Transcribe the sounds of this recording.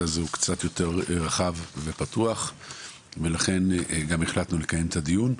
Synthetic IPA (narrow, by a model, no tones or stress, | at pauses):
azukt͡sat̪jo̞te̞ʁʁaχavve̞patuaχ | ve̞laχe̞nɡameχlat̪nule̞kaje̞mt̪adijun